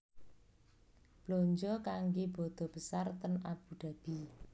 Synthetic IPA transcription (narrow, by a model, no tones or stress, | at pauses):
b̥loɲd͡ʒɔkaŋɡeb̥ɔd̪̥ɔ̤b̥əsart̪ənab̥ud̪̥a̤b̥i